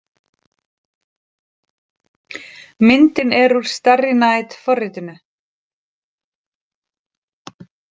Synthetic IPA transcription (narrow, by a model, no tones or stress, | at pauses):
mɪnt̪ɪnɛɾuɾ̥st̪arɪnaːjt̪fɔrːɪt̪ɪnʏ